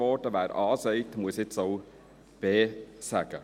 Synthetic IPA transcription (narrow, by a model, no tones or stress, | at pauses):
ɔtəʋæːɾɑːsɛɪtmuəsɪt͡soʊ | b̥eːsæɡ̥ə